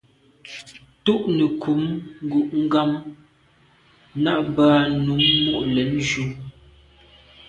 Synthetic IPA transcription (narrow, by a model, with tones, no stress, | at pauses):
tu˦ʔnə˨kʰu˨˦mŋ̩˦ɡu˨ʔŋ̩˦ɡa˦m | na˦˨ʔbaː˦nu˨˦mːu˦ʔlɛ˨˦nd͡ʒu˦